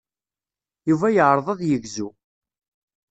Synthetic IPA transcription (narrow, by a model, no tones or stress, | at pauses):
juvæjəʕɾˤəðˤɑðjəɡzu